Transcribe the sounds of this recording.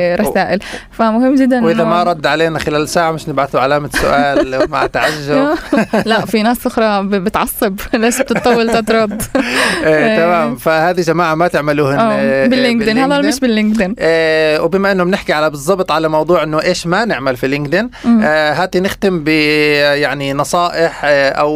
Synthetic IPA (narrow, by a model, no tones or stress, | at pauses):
ɾˤɑaːʔɪlfamʊhɪmːd͡ʒɪd̪ːanwʔɪðamaɾˤɑd̪ːʕaleːnaxɪlaːlsaːʕmɪʃnɪbʕaθuʕalaːmasʊ̰ʔaːlma̰ʕt̪aʕaʒːʊɾlaʔfinaːsʔʊxɾˤɑbɪt̪ʕɑsˤːɨblaːʃb̚t̪ɨt̪ˤːɑwːɪlt̪ɑt̪ɾˤɑd̪ʔet̪amaːmfahaːðiʒamaːʕamat̪ɪʕmaluːhɪabɪlːɪŋɡd̪ɪnhalːɑːlmɪʃbɪlːɪŋɡd̪ɪnʔwbɪːmaʔɪnːʊmnɪħkiʕalabɨzˤːɑbt̪ˤʕalamɑwd̪ˤuːʕʔɪnːʊʔeːʃmanɪʕmalfilɪŋɡd̪ɪnɦaːd̪inɪxt̪ɪmbɪjaʕninɑsˤɑːʔɪħʔa̰w